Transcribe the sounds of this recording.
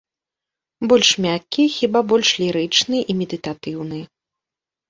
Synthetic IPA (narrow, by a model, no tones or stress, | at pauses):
bɔlʲʂmʲakʲːixʲibabɔlʲʂlʲiɾɨt͡ʂnɨʔimʲɛd̪ɨt̪at̪ɨwnɨ